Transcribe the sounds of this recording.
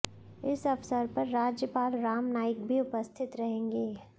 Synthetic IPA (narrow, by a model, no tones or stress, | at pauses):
ɪsɐfsəɾpɐɾːaːd͡ʒjəpaːlɾaːmnaːɪkbʱiʊpəst̪ʰɪt̪ɾɐɦẽːŋɡeː